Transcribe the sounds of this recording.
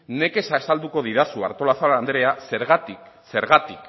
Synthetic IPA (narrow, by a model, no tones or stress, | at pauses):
ne̞ke̞saːsald̪uko̞ð̞iðasua̰ɾt̪o̞laθoaand̪ɾease̞ɾɣat̪ik | se̞ɾɣat̪ik